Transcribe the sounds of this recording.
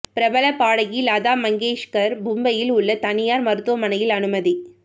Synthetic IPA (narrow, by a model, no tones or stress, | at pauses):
pɪɾɐbɐlɐpaːɽɐjilaːðaːmɐŋɡeːʂkɐɾbʊmbɐjɪlʊɭːɐt̪ɐnɪjaːɾmɐɾɯt̪ːʊʋɐmɐnɐjɪlɐnɯmɐði